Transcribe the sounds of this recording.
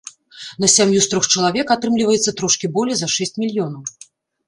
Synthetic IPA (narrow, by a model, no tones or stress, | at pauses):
n̪ɐsʲamjust̪ɾɔxt͡ʂɐlˠavʲɛkat̪ɾɨmlʲivɐjɛt̪sːɐt̪ɾɔʂkʲibɔlʲɛzɐʂɛsʲt͡sʲmʲilʲjɔnɐw